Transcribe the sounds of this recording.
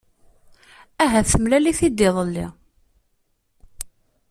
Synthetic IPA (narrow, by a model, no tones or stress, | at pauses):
æɦæθəmlæliθid̪ɪðˤəlːḭ